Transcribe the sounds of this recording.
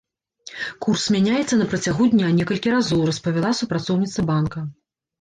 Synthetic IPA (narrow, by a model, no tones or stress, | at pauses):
kursmʲanʲajɛt̪sːɐnɐpɾɐt͡sʲaɣud̪ʲnʲanʲɛkɐlʲkʲiɾazɔwrɐspɐvʲalˠasupɾat̪sɔwnʲit̪sɐbankɐ